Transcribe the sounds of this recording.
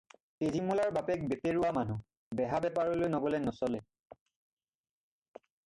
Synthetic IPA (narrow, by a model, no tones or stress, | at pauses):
ezimulaɹbapɛk̚bepeɹʊwamanu | bɛɦabɛpaɹɔlojnɔɡɔlɛnɔsɔlɛ